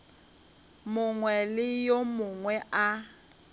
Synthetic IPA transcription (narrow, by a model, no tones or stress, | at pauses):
mʊŋwɛlɪjomʊŋwɛʔa